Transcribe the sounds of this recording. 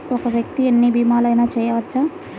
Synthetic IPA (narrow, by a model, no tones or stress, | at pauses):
ɔkɐʋjɐk̚t̪ienːibiːmaːlɐjnaːt͡ʃɛːjɐʋɐt͡ʃːaː